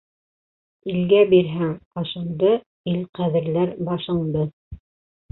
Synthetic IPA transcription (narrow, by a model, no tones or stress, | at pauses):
ilɡæbiɾɦæŋqɑʃɤ̆nd̪ɤ | ilqæðɘ̆ɾlæɾbɑʃɤ̆ɴd̪ɤ